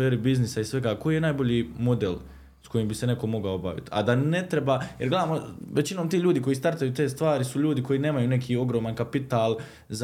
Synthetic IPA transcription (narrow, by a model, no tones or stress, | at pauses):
eːɾibiznisaisʋe̞ɡaːko̞jijenaːjbo̞ʎiːmo̞d̪el | sko̞jimbise̞ne̞ko̞mo̞ɡaoba̰ʋḭt̪a̰d̪ane̞t̪ɾe̞bajeɾɡle̞d̪aːmoʋet͡ɕino̞ːmt̪iːʎuːd̪iko̞jist̪aɾt̪ajut̪e̞ːst̪ʋaːɾisuʎuːd̪iko̞jine̞ːmajuːne̞kʰiːo̞ɡɾoːmankapit̪aːlˠ | z